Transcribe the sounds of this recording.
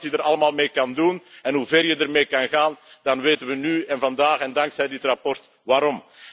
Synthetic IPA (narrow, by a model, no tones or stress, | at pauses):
tjədəɾɑləmaːlˠmeːkɑndunɛnɦuveːrjədərmeːkɑnɣaːnd̥ɑnʋeːtənʋənyːɛnvɑndaːxɛndɑŋksɛjdɪtrɑpɔrt | ʋaːɾɔm